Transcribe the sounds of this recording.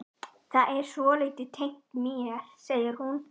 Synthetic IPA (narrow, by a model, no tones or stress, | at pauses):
θaðʔɛɾ̥sɔːlɛt̪ɪt̪ʰejŋ̥t̪miːɛlseːjɪɾ̥hun